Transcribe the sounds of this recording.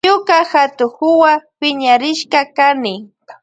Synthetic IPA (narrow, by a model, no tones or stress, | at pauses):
ʊkahat̪ʊxʊwapɪɲaɾɪʃkakanɪ